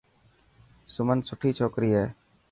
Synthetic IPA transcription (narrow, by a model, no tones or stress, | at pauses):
sʊmənsʊʈʰiːt͡ʃʰoːkɾiːɦeː